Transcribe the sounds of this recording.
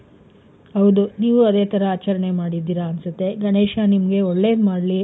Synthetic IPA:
ɦɐwd̪uniːʋuɐd̪eːt̪ʰɐɾɐaːt͡ʃɐɾɐɳe̞maːɽid̪ːiːɾɐːnsɐt̪ːe̞ɡɐɳeːʃanimɐɡe̞ɔɭːemaːɽli

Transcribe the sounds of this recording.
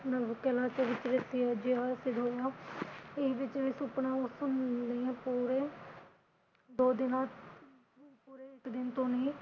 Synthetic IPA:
nəəbkɛlaːt͡ʃoːʋɪt͡ʃʋɪsid͡ʒjaːsɪd̪ɦoːjaː | ɪʋɪt͡ʃʋɪsʊpnãːʊsənd̪ẽːpuːɾeː | d̪oːd̪ɪna | puːɾeːɪkd̪ɪnt̪õːnẽː

